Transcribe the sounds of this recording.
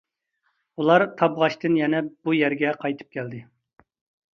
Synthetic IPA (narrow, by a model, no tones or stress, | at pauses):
ulˠɑɾt̪ʰɑbʁɑʃt̪ɨnjɛnɛb̥ujɛɾɡʲɛqʰɑjt̪ʰɨ̥p̚kʲɛld̪ɪ